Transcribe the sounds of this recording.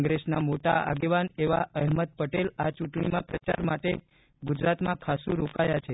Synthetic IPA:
ŋɡɾesna̰moʈa̰a̰ɡeʋaneʋaəɦməd̪̚pəʈelat͡ʃuʈɳimãpɾət͡ʃa̰ɾmaʈe | ɡud͡ʒɾat̪mãkʰasũɾokajat͡ʃʰe

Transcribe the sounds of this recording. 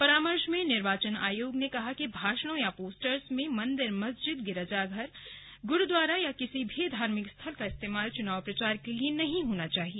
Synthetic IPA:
pɐɾaːməɾʃmẽnɪɾʋaːt͡ʃəna̰ːjoːɡnekɐɦakibʱaːʃəɽ̃õjapoːsʈəɾsmẽmɐ̃nd̪ɪɾmɐsd͡ʒɪd̪ɡɪɾəd͡ʒaɡʱɐɾ | ɡʊɾud̪waːɾajakɪsibʱid̪ʱaːɾmɪkst̪ʰɐlkaɪst̪eːmaːlt͡ʃʊnaːʋpɾɐt͡ʃaːɾkelienɐɦĩɦoːnat͡ʃaːɦie

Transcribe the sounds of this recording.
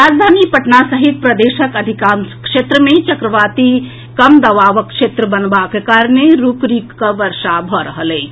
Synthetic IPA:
ɾad͡ʒd̪ʱanipəʈnasəɦit̪̚pɾəd̪eʃəkəd̪ʱikamkʃet̪ɾəmet͡ʃəkɾəʋat̪i | kəmd̪əʋaʋəkːʃet̪ɾəbənbakekaɾneɾukɾikːəʋəɾʃabʱɔɾəɦəlɛː

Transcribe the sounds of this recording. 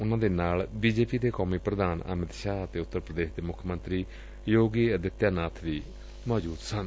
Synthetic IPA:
ʊnãːd̪eːnaːlbiːd͡ʒeːpiːd̪eːkɔːmiːpɾəd̪aːnə̰məd̪ʃaːət̪eːʊt̪ːəɾpɾəd̪eːʃd̪eːmʊkʰːəmə̃nt̪ɾiː | joːɡiːəd̪ɪt̪ːjaːnaːt̪ʰʋiː | mɔːd͡ʒuːd̪sən

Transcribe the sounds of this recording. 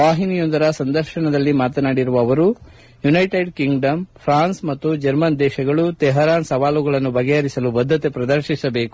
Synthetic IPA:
ʋaːɦinijond̪ɐɾɐsɐnd̪ɐɾʃɐɳɐd̪ɐlːimaːt̪ɐnaːɽiɾuʋɐːʋɐɾu | junɐjʈeɾɖkiŋɡɖɐmpʰɾaːnsmɐt̪ːud͡ʒɐɾmɐnd̪ɛːʃɐɡɐɭut̪ɛɦɐɾaːnsɐʋaːluɡɐɭɐnːubɐɡɛɐɾisɐlubɐd̪ʱːɐt̪e̞pɾɐd̪ɐɾʃisɐbe̞ːku̥

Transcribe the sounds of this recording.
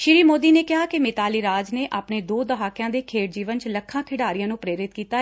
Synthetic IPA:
ʃɪɾiːmoːd̪iːneːkɪɦaːkɪmɪt̪aːliːɾaːd͡ʒneːʔaːpneːd̪oːd̪əɦaːkɪjãːd̪eːkʰeːʈ̚d͡ʒiːʋənt͡ʃləkʰːãːkʰɪɽaːɾɪjãːnũːpɾeːɾɪt̪kiːt̪aː

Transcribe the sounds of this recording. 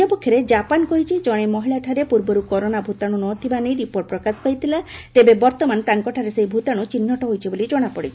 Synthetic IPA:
ɔpɔkʰːjɔɾed͡ʒapankɔɦit͡ʃʰid͡ʒɔɽ̃emɔɦiɭaʈʰaɾepuɾbɔɾukɔɾonabʱut̪aɽ̃unɔt̪ʰibanej̃ɾipoɾʈ̚pɾɔkaskɔɦit̪ʰilat̪ebebɔɾt̪ɔmant̪aŋkɔʈʰaɾesejbʱut̪aɽ̃ut͡ʃinːɔʈɔɦojt͡ʃʰibolid͡ʒɔɽ̃apɔɽit͡ʃʰi

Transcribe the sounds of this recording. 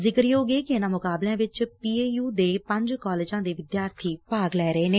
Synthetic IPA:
zɪkəɾjoːɡeːkɪɪnãːmʊkaːblãːʋɪt͡ʃpiːeːjuːd̪eːpə̃ɲd͡ʒkɔːleːd͡ʒãːd̪eːʋɪd̪jaːɾt̪ʰiːpaːɡlɛːɾəeːneː

